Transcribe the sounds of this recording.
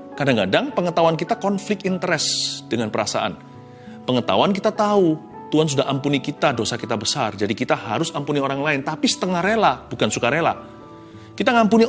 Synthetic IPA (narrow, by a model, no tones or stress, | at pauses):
kadaŋkadaŋpəŋət̪awank̬it̪akɔnflɪkt̪int̪əɾɛsd̥əŋanpəɾasa̰ʔa̰n | pəŋət̪a̰wank̬it̪at̪au | t̪uɦans̬udaɦampunikit̪adosakit̪abəsard͡ʒadikit̪ahaɾʊsampunioɾaŋlaɪnt̪apisə̥t̪əŋahɾelab̥ukansukaɾela | kit̪aŋampuni